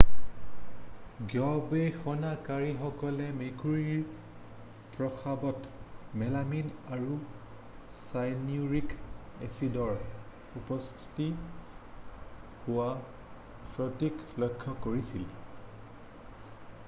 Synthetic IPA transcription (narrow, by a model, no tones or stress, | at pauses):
ɡjɔbexɔnakaɹixɔkɔlɛmekuɹiɹ | pɹɔxabɔtmɛlaminaɹu | sajniuɹikesidɔɹ | upɔstʰi̥ti | hʊwa | pɹɔtiklɔjkʰːɔkoɹisil